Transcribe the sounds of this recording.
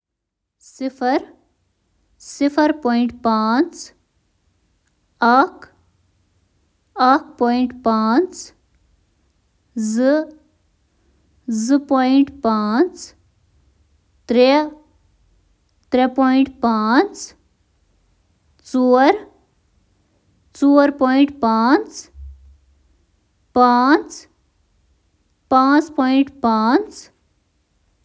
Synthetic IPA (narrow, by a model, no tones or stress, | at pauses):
sipʰɐɾ | sipʰɐɾpoːiɳʈpaːnt͡s | ɐk | akpoːjiɳʈpaːnt͡s | zɨ | zɨpojiɳʈpaːnt͡s | t̪ɾe | t̪ɾepoːiɳʈpaːn | t͡suːɐɾ | t͡suːəɾpoːjɳʈpaːnt͡s | paːt͡s | pãːt͡spoiɳʈpaːnt͡s